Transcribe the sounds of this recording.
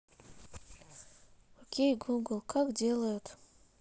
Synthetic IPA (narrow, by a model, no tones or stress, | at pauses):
okʲeɡoɡolˠkʰak̚d͡ʑelajot̪